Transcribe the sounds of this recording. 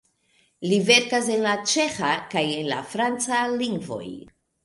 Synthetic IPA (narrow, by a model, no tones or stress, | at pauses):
live̞ɾkas̬enlat͡ʃe̞xakajenla̰fɾant͡saliŋɡvo̞̰j